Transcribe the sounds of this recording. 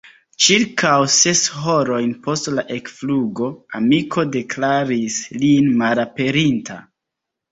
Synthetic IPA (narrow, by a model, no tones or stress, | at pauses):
t͡ʃiɾkawse̞sho̞ɾo̞jnpo̞stlaʔe̞kfluɡo̞amikʰo̞de̞klaɾislinmalape̞ɾintʰa̰